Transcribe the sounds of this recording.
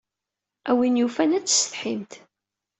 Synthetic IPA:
ʔæwinjufænæt͡sːsə̥θħimt̪

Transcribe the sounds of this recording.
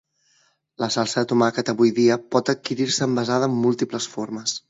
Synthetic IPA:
ləsalˠsəət̪umakət̪əβujðiəpɔt̪ət̪̚kiɾiɾsəːmbəzaðəːmːulˠt̪ipləsfoɾməs

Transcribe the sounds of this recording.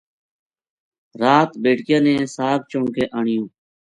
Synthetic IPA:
ɾaːt̪beːʈkɪjãːnẽːsaːb̚t͡ʃoɳkʰeːʔaːɳɪjõː

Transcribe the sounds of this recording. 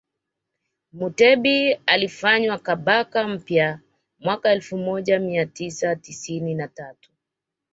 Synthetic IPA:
mutɛɓialifaɲwakaɓakam̩pja | mwakaɛlfumɔʄamiatisatisininatatu̥

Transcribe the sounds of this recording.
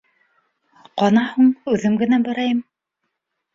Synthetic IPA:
qɑnɑhuɴʉðɘmɡɘ̆næbæɾæjɤm

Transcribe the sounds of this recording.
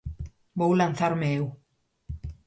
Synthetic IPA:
bowlanθaɾmeew

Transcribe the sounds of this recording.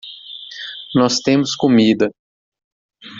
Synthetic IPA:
nɔst̪ẽmʊskomid̪ɐ

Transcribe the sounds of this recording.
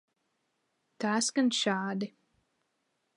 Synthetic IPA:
t̪aːsɡanʃaːd̪i

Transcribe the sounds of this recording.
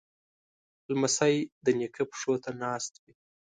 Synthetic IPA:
lmasajd̪ənekʰəpʂot̪anɑːst̪wi

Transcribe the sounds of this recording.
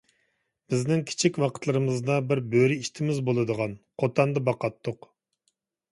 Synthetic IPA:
b̥ɪznɪŋkʲʰi̥t͡ʃʰikʲwɑqʰə̥t̪lˠɨɾɨmɨzd̪ɑbɪɾbøɾiiʃt̪ʰɪmɪzbolˠɨd̪əʁɑnqʰot̪ʰɑnd̪ɨbɑqɑt̪ʰːʊq

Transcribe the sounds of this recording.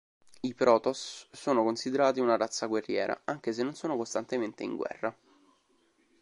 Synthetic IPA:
ipɾɔːt̪osːoːnokonsid̪eɾaːt̪iunaɾat̪sːaɡwerːjɛːɾʔa̰aŋk̟es̬enːonsoːnokost̪ant̪ement̪eḭŋɡwɛ̰rːa

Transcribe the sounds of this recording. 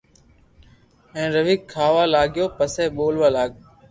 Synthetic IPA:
ɛ̃ːɾəʋiːkʰːaːʋaːlaːɠjoːpəsɛːɓoːlʋaːlaːɡ̚

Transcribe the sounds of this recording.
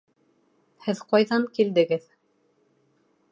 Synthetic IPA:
hɘðqɑjðɑŋkild̪ɘ̆ɡɘð

